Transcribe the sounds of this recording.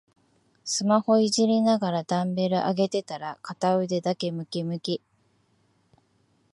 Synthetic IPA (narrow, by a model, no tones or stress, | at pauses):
sɨmaho̞iʑiɾʲinaɡaɾad̪ãmbe̞ɾɯ̟ʔaɡe̞t̪e̞t̪aɾakat̪aɯ̟d̪e̞d̪ake̞mɯ̟kʲimɯ̟kʲi